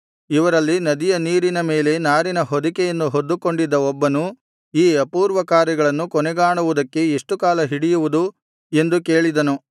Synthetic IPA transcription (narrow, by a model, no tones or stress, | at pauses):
iʋɐɾɐlːinɐd̪ijɐniːɾinɐme̞ːle̞naːɾinɐɦod̪ikɛjɐnːuɦod̪ːuko̞ɳɖid̪ːɐɔbːɐnu | iːɐpuːɾʋɐkaːɾjɛɡɐɭɐnːukɔnɛɡaːɳuʋud̪ɐkːe̞eʂʈukaːlɐɦiɽijuʋud̪u | e̞nd̪uke̞ːɭid̪ɐnu